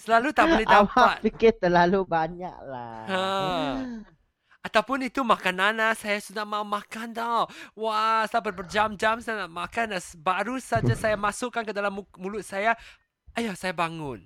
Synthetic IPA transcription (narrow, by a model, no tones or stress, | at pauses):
səlalut̪ablidawpaat̪̚pikɪt̪əlalubaɲa̰ʔ̚la̰hə | at̪awpʊnit̪umakananasajasudahmaumãkand̪ɔwasajabərbərd͡ʒamd͡ʒamsajanaʔmakanasbaɾusad͡ʒasajamasʊʔkːankədalamumulʊt̪̚saja | ajasajabaŋʊn